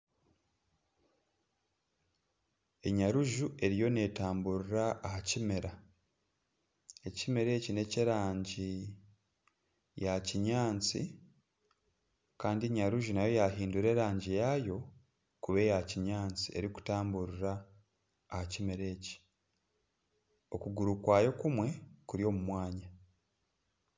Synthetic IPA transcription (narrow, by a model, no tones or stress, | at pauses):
e̞ɲaɾuʒuʔe̞ɾijo̞ne̞ːtaːmbuɾuɾaːhacimeɾa | e̞cimeɾe̞ːcine̞ciɾaːɲɟi | jaciɲaːnt͡sḭ | kaːndiɲaɾuʒunajo̞jaɦiːnduɾe̞ːɾaːɲɟijajo̞ | kuβe̞jaciɲaːnt͡sie̞̰ɾiku̥taːmbuɾiɾaː | hacimeɾe̞ːci̥ | o̞kuɡuɾukwaːjo̞kumwe̞kuɾjo̞ːmumwaːɲa